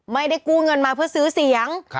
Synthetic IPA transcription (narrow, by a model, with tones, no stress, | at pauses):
ma˧˩jda˧˩jkuː˧˩ŋɤ˧nmaː˨˧˩pʰɯ˧˩əsɯ˨˦si˨˩˦əŋ